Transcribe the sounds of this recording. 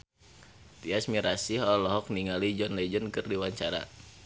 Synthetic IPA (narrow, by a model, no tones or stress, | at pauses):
t̪iasmiɾasiɦɔlɔɦɔk̚niŋalid͡ʒɔnlɛd͡ʒənkɨrdiwaɲt͡ʃaɾa̰